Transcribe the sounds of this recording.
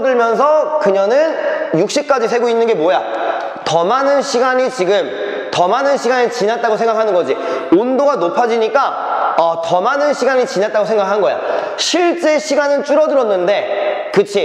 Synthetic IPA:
dɯɭmjʌns̬ʰʌkɯɲʌnɯnjuk̚ɕ͈ip̚k͈ad͡ʑisʰe̞ɡoinːɯnɡe̞mwoja | tʌmanɯnɕʰiɡaɲit͡ɕiɡɯm | tʌmanɯnɕʰiɡanet͡ɕinat̚t͈aɡosʰe̞ŋɡakʰanɯnɡʌd͡ʑiondoɡanopʰad͡ʑiɲik͈a | ʌtʌmanɯnɕʰiɡaɲit͡ɕinat̚t͈aɡosʰe̞ŋɡakʰanɯnɡʌja̰ | ɕʰiɭt͡ɕ͈e̞ɕʰiɡanɯnt͡ɕ͈uɾʌdɯɾʌnːɯnde̞kɯt͡ɕʰi

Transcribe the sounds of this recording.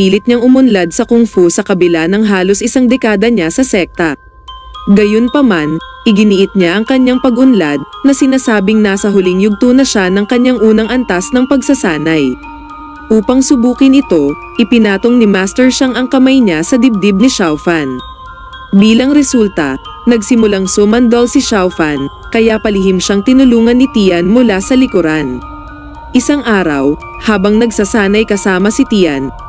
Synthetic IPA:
piːlɪt̪̚ɲaŋʔʊmʊnlad̪̚sɐkʊmfusɐkɐbɪlanɐŋɦaːlosʔɪsaŋd̪ɛkaːd̪ɐɲasɐsɛk̚t̪ɐ | ɡɐjonpɐmanʔɪɡɪnɪʔɪt̪̚ɲaʔɐŋkɐɲːaŋpɐɡʔʊnlad̪̚nɐsɪnaːsaːbɪŋnaːsɐɦʊlɪŋjʊɡ̚t̪unɐʃanɐŋkɐɲaŋʔuːnɐŋʔɐnt̪asnɐŋpɐɡ̚sɐsaːnɐj | ʔuːpɐŋsʊbuːkɪnɪt̪o̞ | ʔɪpɪnaːt̪oŋnɪmaːst̪ɛɹʃaŋɐŋkɐmajɲasɐd̪ɪb̚d̪ɪb̚nɪʃawfɐn | biːlɐŋɾɛsult̪ɐ̰ | nɐɡsɪmʊlaŋsomɐnd̪olsɪʃawfɐn | kɐjapɐlɪhɪmʃaŋt̪ɪnʊluːŋɐnːɪt̪iːɐnmʊlasɐlɪkʊɾan | ʔɪsaŋʔaːɾɐ̰w | haːbɐŋnɐɡsɐsaːnɐjkɐsaːmɐsɪt̪ijɐ̰n

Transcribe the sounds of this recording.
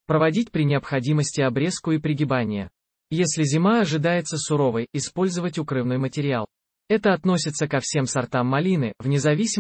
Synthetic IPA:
pɾəvɐdʲitʲpɾʲɪnʲɪɐpxɐdʲiməsʲtʲɪɐbɾʲeskʊɪpɾʲɪɡʲɪbanʲɪjə̰ | jesʲlʲɪzʲɪmaɐʐɨd̪ajɪt̪səsʊɾo̞vəjɪspo̞lʲzəvətʲʊkɾɨvnɨjmətʲɪɾʲɪalˠ | ɛt̪əɐt̪no̞sʲɪt̪səkɐfsʲe̞msɐrt̪amːɐlʲinɨvnʲɪzɐvʲisʲɪ

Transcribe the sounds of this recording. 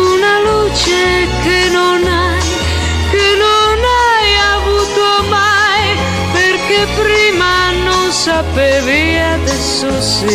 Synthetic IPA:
unalut͡ʃe | kenona | j | kenonajavuːt̪o | maj | perkepɾiːma | nonsapɛvi | ad̪ɛsːosi

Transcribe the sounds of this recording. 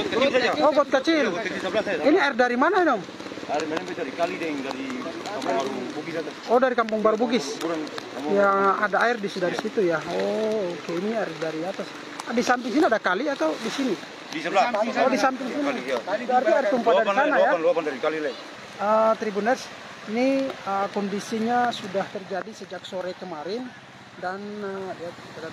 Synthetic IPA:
ɔt̪̚kiaaɔɡɔt̪̚kət͡ʃild͡ʒisəblasiniairdaɾimanainɔm | daɾimalɛmpɛdaɾikalidɛŋdaɾikampubaɾubuɡisat̪asɔdaɾikampuŋbaɾubuɡisuɾaŋjaadaairdisidaɾisit̪ujaɔːkɛiniaɛrdaɾiat̪as | disampɪŋsiniadakaliat̪awdisini | disəlaodisampɪŋsinbəartt̪iairt̪umpadaɾisanajadɾikalilai | ət̪ɾibunars | niəkɔndisiɲasudaht̪ərd͡ʒadisəd͡ʒak̚soɾakəmaɾɪn | danəja | t̪a

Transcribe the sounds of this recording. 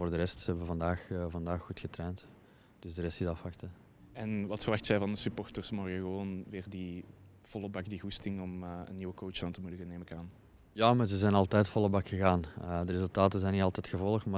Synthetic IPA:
voːrdəɾɛstsəɦɛbəʋəvɑndaːxvɑndaːxːutxətrɛːnt | d̥ʏzdərɛstɪzɑfʋɑxtə | ɛnʋɑtfərʋɑxtzɛjvɑndəsypɔrtərsmɔɣəɣəʋoːnʋɪːrdi | v̥ɔlˠəbɑkdiɣustɪŋɔmə̰nːiwəkoːt͡ʃaːntəmudəɣəneːməkaːn | jaːmazəzɛjnɑlˠtɛjtfɔlˠəbɑkxəɣaːnədərezɵlˠtaːtəzɛjnitɑlˠtɛtxəvɔlˠəxtmaː

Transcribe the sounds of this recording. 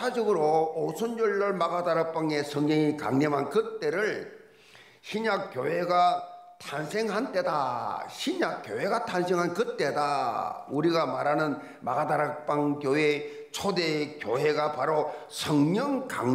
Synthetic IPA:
ad͡ʑɯɡɯɾoːsʰɯnoɭːʌɭmaɡadaɾak̚p͈aŋe̞sʰʌŋɲʌŋikaŋɲemɦankɯt͈e̞ɾɯɭ | ɕʰiɲak͈joɦe̞ɡatʰansʰe̞ŋɦant͈e̞daɕʰiɲak͈joweɡatʰansʰeŋɦankɯt͈e̞dauɾiɡamaɾanɯn | maɡadaɾak̚p͈aŋkjoe | t͡ɕʰodekjoɦe̞ɡapaɾo | sʰʌŋɲʌŋka̰ŋ

